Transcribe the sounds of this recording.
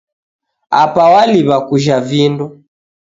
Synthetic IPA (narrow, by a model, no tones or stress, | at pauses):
apawaliβakuʒavindɔ